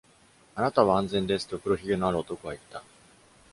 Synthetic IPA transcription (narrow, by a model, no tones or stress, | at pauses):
anat̪aβaãnzẽ̞nd̪e̞sɨ̥t̪ːopɯ̟ɾo̞çʲiɡʲɯnoaɾɯot̪o̞koβait̪ːa